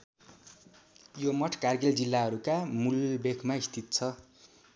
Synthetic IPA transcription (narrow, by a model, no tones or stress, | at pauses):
jomʌʈʰkarɡeld͡zilːaɦʌɾukamulbekʰmaist̪ʰit̪̚t͡sʰʌ